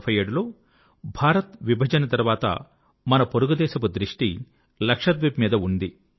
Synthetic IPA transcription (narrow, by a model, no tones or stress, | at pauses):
pʰɐjeːɽulo̞ː | bʱaːɾɐt̪ʋibʱɐd͡ʒɐnɐt̪ɐɾʋaːt̪ɐ̰ | mɐnɐpoɾuɡud̪ɛːʃɐpud̪ɾiʂʈi | lɐkʂɐt̪ʋipmiːd̪ɐund̪i